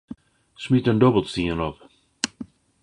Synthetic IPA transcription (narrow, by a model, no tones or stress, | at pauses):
smitə̃ndɔbəl̩ˠtstiə̃nɔp